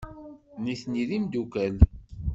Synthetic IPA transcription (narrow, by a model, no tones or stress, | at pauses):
niθniðimd̪ukæl